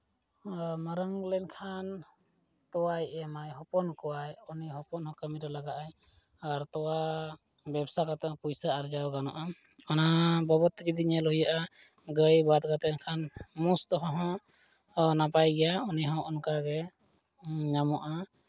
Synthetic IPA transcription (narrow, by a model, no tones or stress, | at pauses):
maɾəŋlɛnkʰan | t̪ɔwajʔɛmajɦɔpɔnkɔwajɔniɦɔpɔnhɔ̃kamiɾalaɡaʔaj | aɾt̪ɔwa | bɛbsakat̪ɔpujsaːɾd͡ʒawɡanɔ̰ʔa | ɔnabɔbɔt̪ɡid̪iɲɛlɔɦujaʔa | ɡəjbad̪̚ɡat̪ɛnkʰanmust̪ɔɦɔ̃ɦɔ̃ | napajɡɛjaɔniɦɔ̃ɔnkaɡɛ | ɲamɔʔa